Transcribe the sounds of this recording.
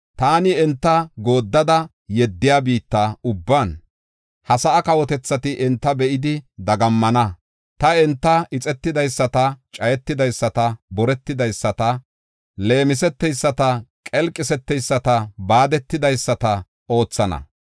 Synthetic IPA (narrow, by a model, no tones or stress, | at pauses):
t̪aːnɪɛnt̪ːɐɡo̞ːd̪ːɐd̪ɐ | jɛd̪ːɪjaːbiːt̪ːaʊbːaːn | hɐsɐʔɐkɐwɔt̪ɛt͡sːɐt̪ɪʔɪnt̪ːɐbɛʔɪd̪ɪd̪ɐɡɐmːɐnɐ | t̪ɐɛnt̪ːɐɪt͡sʼɛt̪ːɪd̪ɐjsːɐt̪ɐt͡ʃʼɐjɛt̪ːɪd̪ɐjsːɐt̪ɐbɔɾɛt̪ːɪd̪ɐjsːɐt̪ɐ | le̞ːmɪsɛt̪ːɛjsːɐt̪ɐkʼɛlkʼːɪsɛt̪ːɛjsːɐt̪ɐbaːd̪ɛt̪ːɪd̪ɐjsːɐt̪ɐ | o̞ːt͡sːɐnɐ̰